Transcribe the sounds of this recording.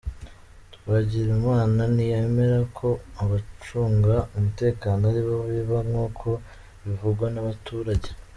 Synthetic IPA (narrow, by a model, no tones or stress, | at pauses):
tuβaɟiɾumwaːnanijeːme̞ɾakʰo̞aβat͡ʃuːŋɡaumute̞ːkaːnoaɾiβoβiβaŋuːkʰo̞ | βivuɡwanaβatuːɾaɟe̞